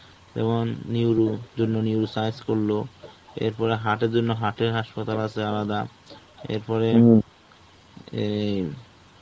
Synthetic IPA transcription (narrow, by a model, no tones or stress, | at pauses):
tɛ̰monːiwɾud͡ʑonːoniwɾusajskoɾloḛɾpɔɾeɦaʈeɾd͡ʑonːoɦaʈeɾɦaʃpat̪alat͡ɕʰealad̪a | ḛɾpɔɾe